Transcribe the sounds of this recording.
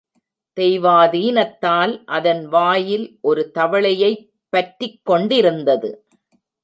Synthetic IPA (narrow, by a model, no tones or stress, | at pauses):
t̪ɛjʋaːðiːnɐt̪ːaːlʔɐðɐnʋaːjɪlʔɔɾɯt̪ɐʋɐɭɐjɐɪ | pːɐʈrɪkːɔɳɖɪɾɯnd̪ɐðɯ̰